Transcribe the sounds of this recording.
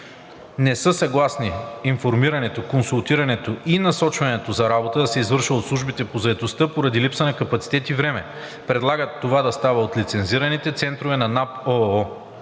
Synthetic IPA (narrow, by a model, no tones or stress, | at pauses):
nɛsɤsɐɡlˠasniːnfoɾmiɾɐnɛt̪okonsulˠt̪iɾɐnɛt̪oʔinɐsɔt͡ʃvɐnɛt̪ozɐɾabot̪əd̪ɐsɛizvɤɾʃvəot̪slˠuʒbit̪ɛpozɐɛt̪ost̪ɤpoɾɐd̪ilipsənɐkɐpɐt̪si̥t̪ɛt̪ivɾɛmɛ̰ | pɾɛd̪lˠaɡət̪ːovad̪ɐst̪avəot̪lit̪sɛnziɾɐnit̪ɛt̪sɛnt̪ɾovɛnɐnapɔɔ